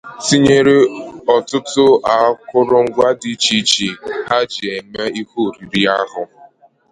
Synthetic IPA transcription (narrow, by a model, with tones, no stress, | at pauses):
si˦ɲe˦ɾe˦ɔ˨tʊ˦tʊ˦a˨˦kʊ˦ɾʊ˦ŋ̩˦ɡʷa˦di˨t͡ʃi˦t͡ʃi˨ɦa˦d͡ʒe˨me˦i˦kʷu˦˨ɾi˨ɾi˦a˦ɦʊ˨